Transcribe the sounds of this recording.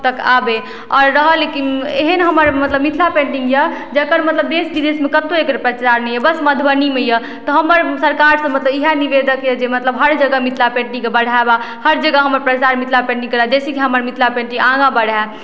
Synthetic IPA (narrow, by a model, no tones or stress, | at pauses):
t̪əka̰be | ɔːɾːəɦəlekineɦənɦəməɾmət̪ləbmit̪ʰlapẽɳʈiŋɡjəd͡ʒəkəɾmət̪ləb̚d̪esb̪id̪esmekət̪oekɾepɾət͡ʃaɾnɛjəbəsməd̪ʱbənimejə | t̪ɔɦəməɾsəɾkaɾsə̃mət̪ləbiɦaniʋed̪əkjəd͡ʒemət̪ləbɦəɾd͡ʒəɡəmit̪ʰlapẽɳʈĩŋkebəɽ̤aeba | həɾd͡ʒəɡəɦəməɾpɾət͡ʃaɾmit̪ʰlapẽɳʈiŋkəɾad͡ʒesekiɦəməɾmit̪ʰlapẽɳʈĩŋɡãɡãbəɽ̤a